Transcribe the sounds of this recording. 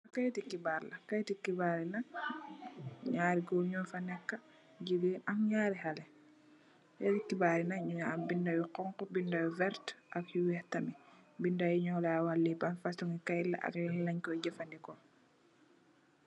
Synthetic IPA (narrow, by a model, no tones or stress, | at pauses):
akajtikːibaɾlɐkajtikːibaɾina | ɲaːɾiɡɔɲɔːfanɛkːa | ɟiɡiːnaŋɲaːɾiɦalɛ | jatikːibaɾinaɲuaambindawiqɔŋkɔbindawivɛɾtʔakjuwɛhtamibindajuɲɔlawalːibanfasuŋikajlːa̰ʔa̰kjilaɲkɔɟɛfandikɔ